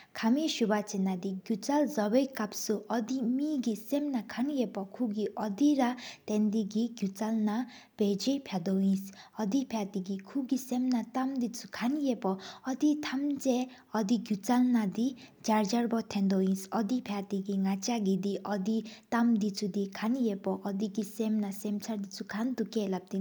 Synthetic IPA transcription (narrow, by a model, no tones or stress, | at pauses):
kʰamiʃubat͡senad̪iɡjut͡salzɔbɔjkapsuʔɔd̪imiɡisemnakʰanjepɔkʰuɡiʔɔd̪iɾat̪ɛnd̪iɡiɡjut͡salna | ped͡ʒepʰad̪ɔĩsɔd̪ipʰjat̪iɡikʰuɡisemnat̪amd̪it͡sukʰanjepɔɔd̪it̪ʰamd͡ze | ɔd̪iɡjut͡salnad̪id͡ʒaɾd͡ʒaɾbɔt̪ʰɛ̃nd̪oĩsʌd̪ipʰat̪iɡiŋat͡ʃaɡid̪iʔʌd̪it̪amd̪it͡sʰud̪ikʰanjepɔʔːd̪iɡisemnasemt͡sʰaɾd̪it͡sʰukʰand̪ukelap̚t̪i